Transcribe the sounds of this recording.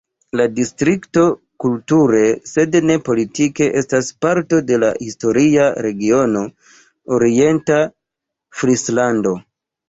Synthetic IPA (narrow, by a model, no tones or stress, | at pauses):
ladistɾikto̞ | kultuɾe̞se̞dne̞po̞litike̞ʔe̞staspaɾto̞de̞la̰histo̞ɾiaɾe̞ɡio̞no̞ | oɾie̞nta | fɾislando̞